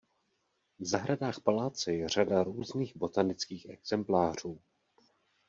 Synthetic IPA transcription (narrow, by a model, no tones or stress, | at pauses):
vzaɦɾadaːxpalaːt͡sɛjɛr̝adaɾuːzniːɣbo̞t̪anɪt͡skiːxʔɛɡz̥ɛmplaːr̝̥uː